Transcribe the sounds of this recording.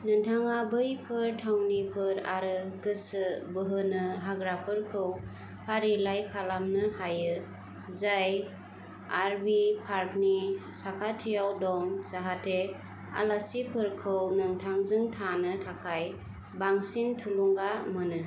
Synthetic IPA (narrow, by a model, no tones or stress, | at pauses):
nɯŋtʰaŋabɯjpʰɯɾtʰawnipʰɯɾa̰ɾɯɡɯsɯbɯɦɯnɯɦaɡɾapʰɯɾkʰɯw | pʰaɾilajkʰalamnɯhajɯ | zaj | aɾbipʰaɾknisakʰatʰijawdɔŋsaɦatʰe | a̰lasipʰɯɾkʰɯwnɯŋtʰaŋzɯŋtʰanɯtʰakʰaj | baŋsintʰuluŋɡamɯnɯ